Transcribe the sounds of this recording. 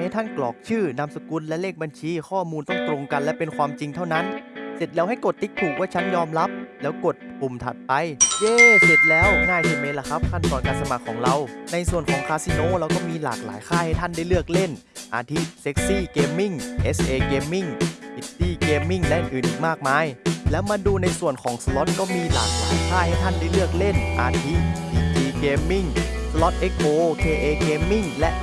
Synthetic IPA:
ha˥˩jt̪ʰa˥˩nklɔ̰ː˨˩k̚t͡ɕʰɯː˥˩na˧msa˧ku˧nlɛ˦˥leː˥˩k̚ba˧nt͡ɕʰiː˧kʰɔː˥˩muː˧nt̪ɔ˥˩ŋt̪ɾo˧ŋka˧nlɛ˦˥pe˧nkʰwaː˧mt͡ɕi˧ŋt̪ʰa˥˩wna˦˥nse˨˩t̪̚lɛː˦˥wɦa˥˩jko˨˩t̪ːi˦˥t̪ʰːuː˨˩k̚waː˥˩t͡ɕʰa˦˥njɔː˧mla˦˥p̚lɛː˦˥wko˨˩t̪̚pu˨˩mt̪ʰa̰˨˩t̪̚pa˧jjeː˧su˨˩t̪̚lɛː˦˥wŋaː˥˩j̪ʰiː˧˩me˧˥la˧˩kʰa˦˥p̚kʰa˥˩nt̪ɔː˧nkaː˧nsa˧ma˨˩kʰːɔː˩˦ŋɾa˧wna˧jsu˨˩ənkʰɔː˩˦ŋkʰaː˧si˧noː˧˥˨ɾa˧wkɔː˥˩miː˧la̰ː˨˩k̚la̰ː˩˦jkʰaː˥˩ha˥˩jt̪ʰa˥˩˨nda˥˩jlɯ˥˩ək̚le˥˩n | ʔa̰ː˧t̪ʰi˦˥t̪̚se˧˦˥k̚siː˧˥˩keː˧mːi˥˩ŋʔe˦˥sʔeː˧keː˧mːi˥˩ŋʔi˧˥t̪iː˧˩keː˧mːi˧˩ŋlɛ˧˥ʔɯ˨˩ʔɯː˨˩nʔiː˨˩k̚maː˥˩k̚maː˧˥˨jlɛː˦˥wmaː˧nduː˧na˧jsu˨˩ənkʰɔː˨˩˦ŋsa˧lo˦˥t̪̚kɔː˥˩miː˧laː˨˩k̚laː˨˦jkʰaː˥˩ha˧˩jt̪ʰa˧˥˩nda˥˩jlɯ˥˩ək̚le˥˩nʔa̰ː˧t̪ʰi˦˥ʔiː˧˩t̪ʰiː˧keː˧mːi˧˥˩ŋ | slɔ˦˥t̪̚ʔe˦˧˥k̚ʔoː˧k̪ʰeː˧ʔeː˧keː˧mːi˥˩ŋlɛ̰˦˥ʔ

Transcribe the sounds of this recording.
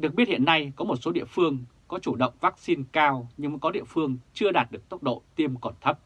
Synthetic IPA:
ɗɨ˨˩ək̚ɓi˦˥ət̚hḭ˧˨ə˨nːa˧jkɔ˨˦mo˨˩t̚so˨˦ɗḭ˧˨əfɨ˧əŋkɔ˨˦t͡ɕu˧˩ɗə̰˧˨wŋ͡mvaː˦˥k̚si˧nkaː˧wɲɨ˧ŋvə˨˦jkɔ˨˦ɗḭ˧˨əfɨ˧əŋt͡ɕɨ˧əɗaː˨˩t̚ɗɨ˨˩ək̚t̪ə˦˥k͡p̚ɗo̰˧˨t̪i˧əmkɔ˧˩nt̪ʰə˦˥p̚

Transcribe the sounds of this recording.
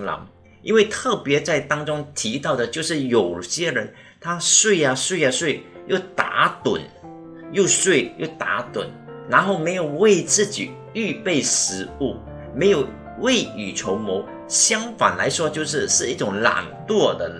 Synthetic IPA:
lɑ̰˧˥ŋ | ḭ˥nwe˥˧ɪt̪ʰɤ˥˩pjɛ˧˥t͡sa˥˩ɪt̪ɑ˥ŋʈ͡ʂʊ˥ŋt̪ʰi˧˥t̪ɑ˥˩ʊd̪ə˩t͡ɕjo˥˧ʊʂɻ̩˥˩jo˨˩ʊɕjɛ˥ɻə˧˥n | t̪ʰa˥swe˥˩ɪɐ˨swe˥˩ɪa˧swe˥˩ɪjo˥˩ʊt̪a̰˧˥t̪wə̰˨˩n | jo˥˧ʊswe˥˩ɪjo̰˥˩ʊt̪a̰˧˥t̪wə̰˨˩˦nna˧˥nxo˥˩ʊme˧˥ɪjo˨˩ʊwe˥˧ɪt͡sɹ̩˥˩t͡ɕḭ˨˩ | y˥˧pe˥˩ɪʂɻ̩˧˥u˥˩ | me˧˥ɪjo˨˩ʊ | we˥˩ɪy˨˩ʈ͡ʂʰo˧˥ʊmo˧˥ʊ | ɕjɑ˥ŋfa̰˨˩nla˧˥ɪʂwɔ˥t͡ɕjo˥˧ʊʂ̬ɻ̩˥˧ʂɻ̩˥˧i˥˩ʈ͡ʂʊ˨˧˥ŋla̰˨˩ŋt̪wɔ˥˧d̪ə˨

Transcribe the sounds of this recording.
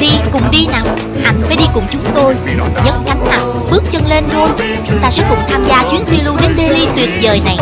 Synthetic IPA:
ɗi˧kʊ˨˩ŋ͡mɗi˧na˨˩w | ʔa˧jŋ̟faː˧˩˦jɗi˧kʊ˨˩ŋ͡mt͡ɕʊ˨˦ŋ͡mt̪o˧jɲə˨˦˥nka˨˦ŋ̟na˨˩w | ɓɨ˦˥ək̚t͡ɕə˧nle˧nt̪ʰo˧j | t͡ɕʊ˨˦ŋ͡mt̪aː˧sɛ̰˧˥kʊ̰˧˩ŋ͡mt̪ʰaː˧mzaː˧t͡ɕwi˨˦ənt̪i˧əlu˧ɗe˨˧˦nɗe˧li˧t̪wi˨˩ət̚zəː˨˩jna˨˩j

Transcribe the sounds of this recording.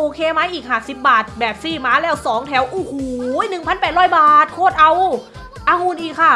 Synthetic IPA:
ʔoː˧kʰeː˧ma˦˥˩jʔiː˨˩k̚haː˨˩si˨˩p̚baː˨˩t̪̚bɛː˨˩p̚siː˧˩maː˦˧˥lɛː˧˥˩wsɔː˩˦ŋt̪ʰɛ˨˦˥wʔoː˨˧˩huː˨˩˦nɯ˨˩ŋpʰa˧˥npɛː˨˩t̪̚ɾɔː˧˥˩jbaː˨˩t̪̚kʰoː˥˩t̪̚ʔa˧w | ʔaː˧˩huː˧˩˨nʔiː˨˩kʰa˥˩

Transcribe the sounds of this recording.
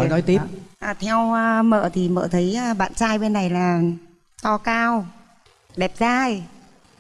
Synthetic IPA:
nɔ˨˦jt̪i˦˥p̚ʔaː˨˩t̪ʰɛ˧wə˧mə̰ː˧˨t̪ʰi˨˩mə̰ː˧˨t̪ʰə˨˦jʔəː˧ɓa̰ː˧˨nt͡ɕaː˧jɓe˧nːa˨˩jlaː˨˩ | t̪ɔ˧kaː˧w | ɗɛ˨˩p̚zaː˧j

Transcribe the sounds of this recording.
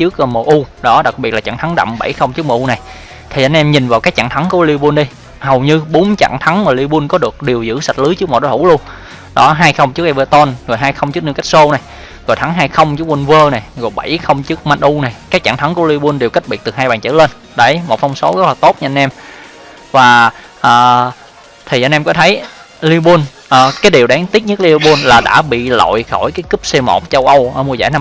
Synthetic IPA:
t͡ɕɨ˦˥ək̚ːmə˨˩ʔu˧ɗɔ˨˦ɗa˨˩k̚ɓi˨˩ət̚la˨˩t͡ɕa̰ː˧˨ŋt̪ʰŋɗa̰˧˨wmɓa̰˧˩jxə˧wŋ͡mt͡ɕɨ˦˥ək̚məː˨˩ʔu˧na˨˩j | t̪ʰi˨˩ʔa˧nʔɛ˧mɲi˨˩nvaː˨˩wkaː˦˥k̚t͡ɕa̰ː˧˨ŋt̪ʰa˨˦ŋku˧˩əli˧ɓu˧ənɗi˧ | hə˨˩wɲɨ˧ɓo˨˦nt͡ɕa̰ː˧˨ŋt̪ʰa˨˦ŋmaː˨˩li˧ɓu˧nkɔ˨˦ɗɨ˨˩ək̚ɗi˨˩əwzɨ̰˧˥sa˨˩t̚lɨ˨˦jt͡ɕɨ˦˥kmɔ̰˨˩ɗɔ˧hʰu˧˩˦lu˧ən | ɗɔ˨˦ɦaː˧jxə˧wŋ͡mt͡ɕɨ˦˥ək̚ʔɛ˧mvəː˧t̪o˧nzo˨˩jɦaː˧jxə˧wŋ͡mt͡ɕɨ˦˥əkni˧wka˦˥k̚so˧na˨˩j | zɔ˨˩jt̪ʰa˨˦ŋɦaː˧jxə˧wŋ͡mt͡ɕɨ˦˥ək̚wi˧nvəː˧na˨˩jzɔ˨˩ɓa˧˩jxə˧wŋ͡mt͡ɕɨ˦˥ək̚ma˧nʔu˧na˨˩jkaː˦˥k̚t͡ɕa̰˧˩ŋt̪ʰa˨˦ŋku˧˩ə˦li˧ɓu˧nɗe˨˩wka˦˥j̚ɓi˨˩t̚t̪ɨ˨˩ɦaː˧jɓaː˨˩nt͡ɕə̰ː˧˦le˧n | ɗə˧˨˩jmo˨˩t̚fwŋ͡mso˨˦zə˦˥t̚laː˨˩t̪o˦˥t̚ɲɨ˧nʔɛ˧m | vaː˨˩ | ʔəː˨˩ | t̪ʰi˨˩ʔa˧nʔɛ˧mkɔ˨˦t̪ʰə˨˦j | li˧ɓu˧n | ʔəː˨˩kaː˨˦jɗi˨˩əwɗaː˨˦ŋt̪i˦˥t̚ɲɨ˦˥k̚li˧ɓu˧nlaː˨˩ɗa̰ː˧˥ɓḭ˧˨lo̰˧˨jxɔ˧˩jkaː˨˦jkɨ˦˥p̚se˧mo̰˨˩t̚t͡ɕə˧wʔə˧wʔəː˧˩mu˧əza̰ː˧˩jna˧

